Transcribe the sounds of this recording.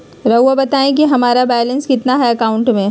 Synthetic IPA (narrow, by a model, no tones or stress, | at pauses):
ɾɐuabɐt̪aːẽk̬iɦɐmaːɾabɛːlə̃nskɪt̪naɦɛɐkaːʊ̃ɳʈmẽ